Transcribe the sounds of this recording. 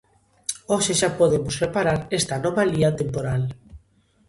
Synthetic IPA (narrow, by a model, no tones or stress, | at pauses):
oʃeʃapoðemʊsrepaɾaɾest̪anɔβaliat̪empoɾal